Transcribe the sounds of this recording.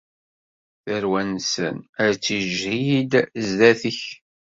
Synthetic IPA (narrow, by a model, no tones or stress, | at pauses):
θəɾwænsə̰nəɾt͡sːiʒhid̪zðæθəç